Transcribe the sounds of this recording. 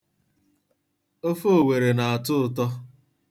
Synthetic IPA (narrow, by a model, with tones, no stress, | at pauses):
o˦fo˦˨we˨ɾe˨na˨a˨tʊ˦ʊ˨t̬ɔ˦